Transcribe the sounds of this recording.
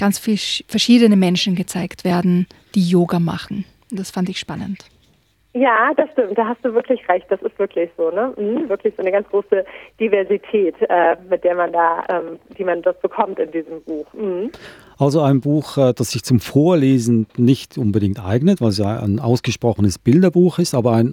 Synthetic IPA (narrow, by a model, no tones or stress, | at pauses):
ɡ̥ant͡sffɛɐʃiːdənəmɛnʃn̩ɡət͡saɪktv̥eːɐdn̩d̥iːjoːɡama̰χn̩ | ʊntd̥asfantɪçʃpanə̰nt | jaːd̥asʃtɪmt̚d̥aːɦastd̥uːvɪɐklɪçʁɛçt̚d̥asɪstv̥ɪɐkʰlɪçz̥oːnəm̩hm̩vɪɐklɪçz̥oʔnəɡant͡sɡ̥ʁoːsəd̥ivɛɐzitʰɛːtʔɛːmɪt̚d̥eːɐmandaːʔɛːmd̥iːmandasb̥əkʰɔmtɪndiːzəmbuːxm̩hm̩ | ʔalzoaɪnbuːxʔɛːd̥asz̥ɪçt͡sʊmfoːɐleːzn̩nɪçtʔʊnbədɪŋktʔa̰ɪɡnətv̥aɪls̬jaʔa̰ɪnʔa̰ʊsɡ̥əʃpʁ̥ɔχənəsb̥ɪldɐbuːxɪstaːbɐaɪn